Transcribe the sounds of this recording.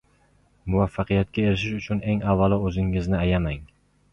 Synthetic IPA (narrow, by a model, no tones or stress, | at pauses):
mʊvafːaqɨjat̪̚kʲaeɾɪʃ̬ɪʃʊt͡ʃʰʊne̞ŋavːalˠɪɵzɪŋɪznɪajamaŋ